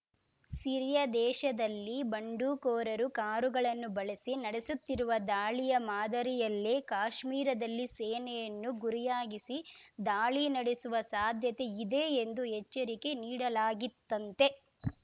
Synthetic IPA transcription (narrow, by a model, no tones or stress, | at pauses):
siɾijɐd̪ɛːʃɐd̪ɐlːibɐɳɖuːkoːɾɐɾukaːɾuɡɐɭɐnːubɐɭɐsinɐɽesut̪ːiɾuʋɐd̪aːɭijɐmaːd̪ɐɾijɐlːeːkaːʃmiːɾɐd̪ɐlːiseːnɛjɐnːuɡuɾijaːɡisid̪aːɭinɐɽesuʋɐsaːd̪ʱjɐt̪e̞id̪e̞ːnd̪uɦɛt͡ʃːɐɾike̞niːɽɐlaːɡit̪ːɐnt̪e̞